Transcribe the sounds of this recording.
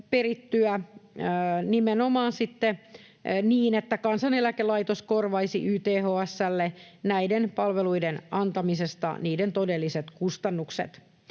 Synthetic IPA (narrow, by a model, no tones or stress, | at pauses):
perit̪ːyæ | nimenomɑːnsit̪ːe | niːnet̪ːækɑnsɑnelækelɑit̪oskorʋɑisḭʔyːt̪eːhoːæsːælːenæidenpɑlʋeluidenɑnt̪ɑmisest̪ɑ̰niːdent̪odelːiset̪kust̪ɑnːuksḛt̪